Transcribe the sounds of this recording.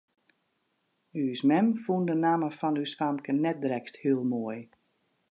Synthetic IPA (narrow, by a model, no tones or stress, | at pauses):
ysmɛmfundənaːməfɔnysfamkənɛt̚dɾɛksthiəlˠmoəj